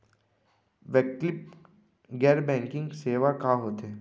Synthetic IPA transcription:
ʋeklɪp | ɡɛːɾbɛ̃ːŋkɪ̃ŋɡseːʋakaɦoːt̪eː

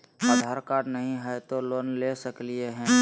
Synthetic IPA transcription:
əd̪ʱaɾkaːɽnəɦĩɦɛt̪oloːnlesəklieɦɛ̃ː

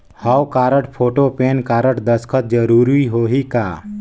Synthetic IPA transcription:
hawkaːɾəʈpʰoːʈopeːnkaɾəʈd̪əskʰət̪̚d͡ʒəɾuɾiɦoːɦikaː

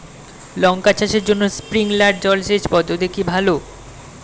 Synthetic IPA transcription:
lɔŋkat͡ɕaʃeɾd͡ʑonːospɾiŋlaɖ̚d͡ʑɔlʃeʃpɔd̪od̪ekibʱalo

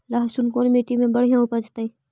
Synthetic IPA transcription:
laɦsunkonmeːʈimẽbəɽ̤ijãupəd͡ʒt̪ai

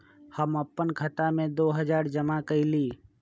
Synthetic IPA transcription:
həməpːənkʰət̪amẽd̪oːɦəd͡ʒaːɾd͡ʒəmakəiliː

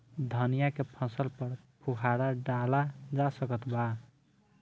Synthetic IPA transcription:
d̪ʱənijakepʰə̃səlpəɾ | pʰukʰaɾaɖalad͡ʒasəkət̪ba

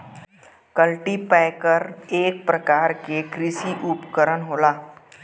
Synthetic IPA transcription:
kəlʈipɛɪkəɾeːk̚pɾəkaːɾkekɾɪsiʔʊpkəɾənɦoːlaː

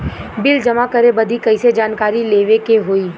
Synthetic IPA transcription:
bɪld͡ʒɐmakɐɾebɐd̪ʱikɐised͡ʒaːnkaːɾileːʋekeɦoːiː

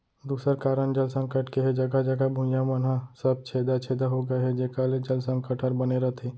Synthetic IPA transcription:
d̪uːsəɾkaːɾənd͡ʒəlsə̃ŋkəʈkeɦɛd͡ʒɐɡad͡ʒɐɡabʱʊ̃jamənɦasəb̚t͡ʃʰeːd̪at͡ʃʰeːd̪aɦoɡɐɦɛd͡ʒeːkaled͡ʒɐlsə̃ŋkəʈʰəɾbɐneɾɐt̪ʰeː

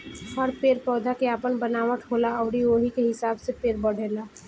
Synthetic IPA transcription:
həɾpeːɾpɔːd̪ʱakeaːpənbənaːʋəʈʰɦoːlaɔːɾioɦikeɦɪsaːbsepeːɾbəɽ̤eːla

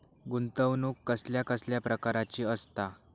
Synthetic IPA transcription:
ɡunt̪əʋnuːkːəsljakəsljapɾəkaɾat͡ɕiːəst̪a

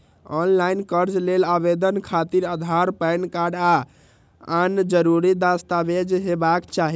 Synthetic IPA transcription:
ɔnlainkəɾd͡ʒlelaβed̪ənkʰat̪iɾad̪ʱaɾpəjnkaɾɖa | and͡ʒəɾuɾid̪ast̪abed͡ʒɦebakt͡ʃaɦi

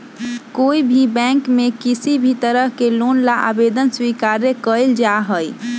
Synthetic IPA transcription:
koibʱibɛ̃ŋkmekisibʱit̪əɾəɦkelonlaʔa̰bed̪ənswikaɾjəkəld͡ʒaɦəj

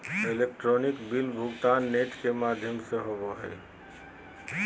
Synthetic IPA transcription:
elek̚ʈɾonikbilbʱuɡt̪anːeʈkemad̪ʱjəmsẽɦobɔɦə̰j

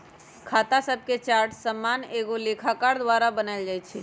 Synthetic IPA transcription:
kʰaːt̪asəb̚ket͡ʃaːɾʈsəmːaːneːɡoleːkʰakaːɾd̪ʋaːɾabənald͡ʒaːjt͡ʃʰɛ

